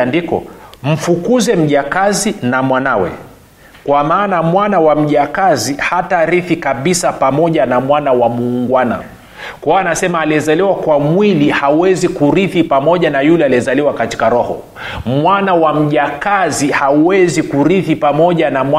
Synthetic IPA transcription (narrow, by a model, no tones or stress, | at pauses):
ndikɔ̰m̩fukuzɛm̩ʄakazinamwanawɛ̰ | kwamaːnamwanawam̩ʄakazihataɾiθikaɓisapamɔʄanamwanawamuːŋɡwana̰ | kɔwaːnasɛmaːliɛzaliwakwamwilihauwɛzikuɾiθipamɔʄanajulɛaliɛzaliwakati̥kaɾɔhɔ̰ | mwanawam̩ʄakazihauwɛzikuɾiθipamɔʄanamwa